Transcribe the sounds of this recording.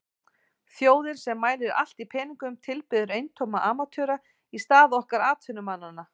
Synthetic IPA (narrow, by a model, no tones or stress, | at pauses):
θjoːwðɪnsɛmːaːjlɪɾa̰l̥t̪ipʰɛːniŋkʏmt̪ʰɪlpɪðʏɾejnt̪ʰowmaʔaːmat̪ʰœːɾa | ist̪aːðɔhkaɾaːt̪ʰʏnʏmanːanːa